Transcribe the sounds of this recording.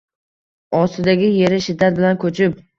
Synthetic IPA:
ɒst̪ɪd̪aɡʲɪje̞ɾɪʃɪd̪ːat̪̚bɪlankʲʰɵt͡ʃʰɪp̚

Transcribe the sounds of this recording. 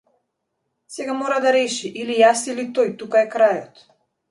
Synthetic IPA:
sɛɡamɔɾad̪aɾɛʃiʔilijasilit̪ɔjt̪ukaɛkɾajɔt̪

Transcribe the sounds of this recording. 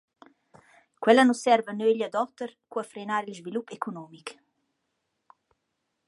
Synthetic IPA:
kwɛlanusɛɾvanøeʎad̪ɔt̪əɾkuafɾenaɾilzvilupekʰonɔmik

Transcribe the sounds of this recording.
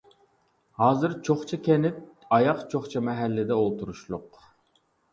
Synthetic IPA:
hɑːzɨɾt͡ʃʰoχt͡ʃʰɑkʲʰɛnɪp̚ɑjɑqt͡ʃʰoχt͡ʃʰɑmɛɦælːɪd̪ɛolˠt̪ʰuɾuʃlˠʊq

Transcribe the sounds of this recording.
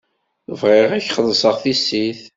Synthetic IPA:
θəvʁeʁæçχəðˤsˤəʁθisːiθ

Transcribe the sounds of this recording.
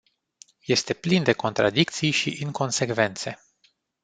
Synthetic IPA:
je̞st̪e̞plind̪e̞ko̞nt̪ɾa̰d̪ik̚t̪sijʃiʔɨŋko̞nse̞kve̞nt̪se̞

